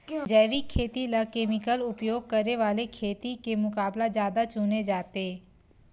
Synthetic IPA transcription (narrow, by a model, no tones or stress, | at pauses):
d͡ʒɛːʋikʰːeːt̪ilakeːmɪkəlʊpjoːɡ̚kəɾeʋaːlekʰeːt̪ikemʊkaːblad͡ʒjaːd̪at͡ʃuːned͡ʒaːt̪eː